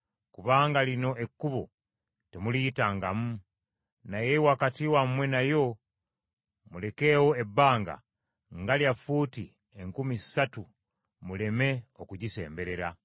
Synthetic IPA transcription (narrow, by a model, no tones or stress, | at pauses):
kuβaːŋɡalino̞ʔekːuβo̰ | te̞mulitaːŋɡamu | najewakatiwammwe̞najo̞ | mule̞ke̞ːwoebːaːŋɡa̰ | ŋɡaljafuti | e̞ŋkumisatu | mule̞me̞o̞kuɟise̞̰ːmbe̞ɾeɾa